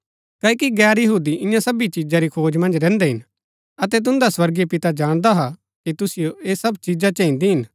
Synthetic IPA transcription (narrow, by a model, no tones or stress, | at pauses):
kaːkiɡɛːɾjɐɦuːd̪iʔɪ̃jãsɐbit͡ʃid͡ʒaɾikʰoːd͡ʒmɐ̃nd͡ʒɾɛ̃ːnd̪eɦɪ̃n | ɐt̪ɛt̪̬ʊ̃nd̪aswɐɾɡepɪt̪ad͡ʒaːɽ̃d̪aɦa | kit̪ʊsɪjoeːsɐbt͡ʃid͡ʒat͡ʃɐ̃ɪ̃nd̪iɦɪn